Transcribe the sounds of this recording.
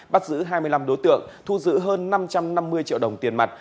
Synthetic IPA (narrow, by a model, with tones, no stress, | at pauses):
ɓa˦˥t̚zɨ̰˧˥ɦaː˧jmɨ˧əjla˧mɗo˨˦jt̪ɨ̰˧˨əŋt̪ʰu˧zɨ̰˧˥ɦəː˧nːa˧mt͡ɕa˧mna˧mːɨ˧əjt͡ɕḭ˧˨wɗə˨˩wŋ͡mt̪i˨˩ənma˨˩t̚